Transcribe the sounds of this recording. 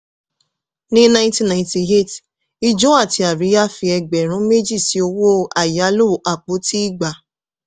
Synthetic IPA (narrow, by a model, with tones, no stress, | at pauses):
nĩ˦nã˧ĩ˦ti˦nã˨ĩ˧ti˧ɦe˦˨t | i˧d͡ʒɔ̃˦a˦˨ti˧˦a˨ɾi˨˦a˦fi˧ɛ˧ɡ͡bɛ˨ɾ̃ũ˨˦me˦d͡ʒi˦˨si˨˦o˧wo˦a˨ja˨˦lo˦˨˦ʔa˨k͡po˨˦ti˦i˦˨ɡ͡ba˨